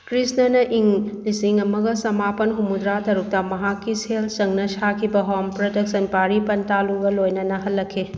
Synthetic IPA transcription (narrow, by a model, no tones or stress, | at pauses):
kɾisnɐnɐʔiŋlisiŋɐmɐɡɐsɐmapɐnɦumud̪ɾatɐɾuk̚tɐmɐɦakːiselt͡ʃɐŋnɐsakʰibɐɦompɾɐdɐk̚sɐnpaɾipɐntaluɡɐlojnɐnɐɦɐlːɐkʰːe